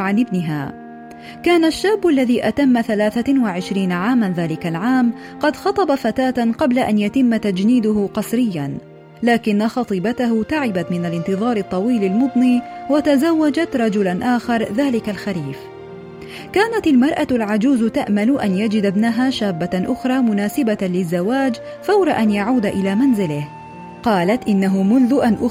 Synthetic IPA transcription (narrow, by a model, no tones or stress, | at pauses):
ʕanʔɪbnɪɦa̰ː | kaːnaʃːaːbːʔalːaðiːʔat̪amːaθalaːθawɪʕɪʃɾiːnaʕaːmanðaːlɪkalʕaːm | qɑd̪xɑt̪ˤɑbafat̪aːt̪qɑblaʔanjat̪ɪmːat̪ad͡ʒniːd̪ʊɦʊqɑsɾɪjːan | laːkɪnːaxɑt̪ˤiːbat̪aɦʊt̪aʕɪbat̪mɪnalɪnt̪ɨðˤɑːɾˤɨt̪ˤːɑwiːlalmʊd̪ˤniːwat̪azawːad͡ʒat̪ɾˤɑd͡ʒʊlanʔaːxɑɾˤðaːlɪkalxaɾiːf | kaːnat̪almɑɾˤʔalʕad͡ʒuːzt̪aʔmalʊʔanjad͡ʒɪd̪abnaɦaːʃaːbːaʔʊxɾˤɑːmʊnaːsɪbalɪzːawaːd͡ʒ | fawɾˤɑʔanjaʕuːd̪aʔɪlaːmanzɪlɪh | qɑːlat̪ʔɪnːaɦʊmʊnðʊʔanʔʊ